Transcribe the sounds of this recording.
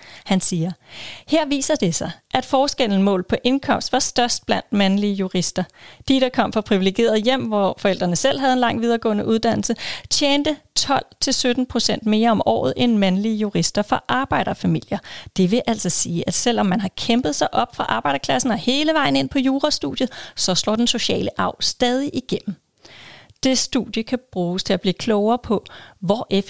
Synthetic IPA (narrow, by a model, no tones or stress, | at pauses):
hænsiːɐheɐ̰ʋḭːsɐd̥e̝sɑ̈ɪʔæd̥fɒːsɡ̥el̰n̩mɔ̰̽ːlˠpʰɒ̽ʔe̝nkʰɒ̽m̰sd̥ʋɑ̈sd̥ɶɐsd̥̚b̥læn̰d̥mænliəjuʁisd̥ɐd̥iɾ̥ɑ̈kʰɒ̽m̰fɑ̈pʰʁiʋile̝ɡ̥e̝̰ːɐð̞̩ˠjem̰ʋɒfɒ̽el̰d̥ʁɐnəsel̰ɦæð̞̩ˠe̝nlɑ̈ŋ̰ʋið̞ˠɐɡ̥ɔ̰̽ːnəʔuð̞ˠd̥æn̰l̩sət͡ɕʰjeːnd̥ət͡sʰɒ̽l̰t͡sʰe̝lsød̥n̩pʰʁo̝sen̰d̥me̝ːɐɒ̽mʔɒ̰ːð̞̩ˠenmænliəjuʁisd̥ɐfɒ̽ʔɑ̈ːb̥ɑ̈ɪ̰ɾ̥ɐfæmil̰jɐd̥e̝ʋe̝ʔæl̰sɒ̽siːʔæd̥sel̰ɒ̽mːænɦɑ̈kʰemb̥ð̞̩ˠsɑ̈ɪʔɒ̽b̥fʁɑ̈ʔɑ̈ːb̥ɑ̈ɪɾ̥ɐkʰlæsn̩ɒ̽he̝ːləʋɑ̈ɪn̩e̝n̰pʰɒ̽juːʁɑsd̥ṵð̥ˠjəð̩ˠsɒ̽slɔ̰ːd̥enso̝ɕɛ̰ːləʔɑ̈ʊ̰sd̥ɛːð̞ˠiʔiɡ̥em̰m̩ | d̥e̝sd̥u̥jəkʰæb̥ʁuːst͡sʰe̝æb̥liːkʰlɔʊɐːpʰɒ̽ʋɒʔe